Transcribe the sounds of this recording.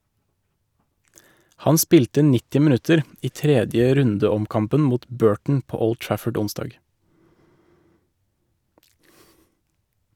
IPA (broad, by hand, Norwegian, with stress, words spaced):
ˈhɑn ˈspiːltə ˈnɪtɪ mɪˈnʉtəɾ ˈiː ˈtɾɛdjə ˈɾʉndəɔmˌkɑmpən ˈmuːt ˈbøːʈɳ̩ ˈpoː ˈɔld ˈtɹæfəɖ ˈʊnˌsdɑːɡ